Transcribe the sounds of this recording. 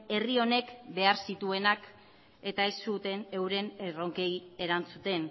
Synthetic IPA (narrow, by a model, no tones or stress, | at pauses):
e̞rio̞ne̞kbe̞aɾsit̪ue̞nak | e̞t̪ae̞sːut̪e̞ne̞wɾe̞nero̞ŋke̞je̞ɾant͡sut̪e̞n